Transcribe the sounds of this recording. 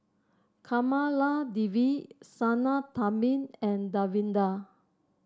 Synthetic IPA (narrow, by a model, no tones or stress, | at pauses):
kʰamaladiwisanat̪amĩnɛ̃ndawĩnda